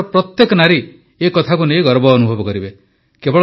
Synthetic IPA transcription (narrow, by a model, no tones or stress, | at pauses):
pɾɔt̪jekɔnaɾi | ekɔt̪ʰakunejɡɔɾbɔːnubʱɔbɔkɔɾibe | kebɔɭ